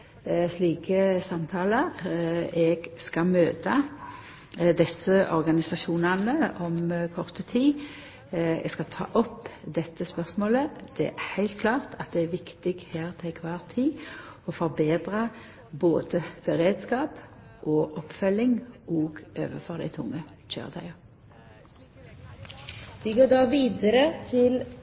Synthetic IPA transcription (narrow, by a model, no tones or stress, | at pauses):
sliːkəsɑmt̪ʰɑːləʁɛɡskɑmøːt̪ɑ | d̪ɛsəʔɔ̰ʁɡɑnɪsɑʃuːnɑnəɔmkʰɔʁt̪ət̪ʰiː | ɛ̰ɡskɑt̪ʰɑ̰ːʔɔpːd̪ɛt̪ːəspœʁsmoːləd̪̥ɛæ̰æhæɪlt̪̚kʰlɑːʁt̪ʰɑt̪̚d̪ɛæʋɪkt̪ɪɡheːʁt̪ʰɛɪkʰʋɑːʁt̪ʰiːɔfɔʁbeːd̪ʁɑ | boːd̪əb̥əʁeːd̪skɑːp | ʔɔʔɔpːfœlːɪŋʔoːɡʔø̰ːʋəfɔʁd̪æ̰ɪt̪ʰʊŋːə | ʃø̰ːʁd̪æ̰ɪəʁ | ʋɪɡoːɖɑːʋiːd̪əɾət̪ʰɪl